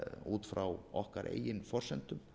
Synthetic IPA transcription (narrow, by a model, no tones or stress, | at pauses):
uːt̪fɾawɔhkaɾʔḛːjɪnfɔr̥sɛnt̪ʏm